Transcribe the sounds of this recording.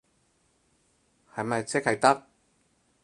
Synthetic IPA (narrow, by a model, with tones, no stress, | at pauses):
hɐ˨jmɐ˨jt͡sɛ˥k̚hɐ˨jt̪ɐ˥k̚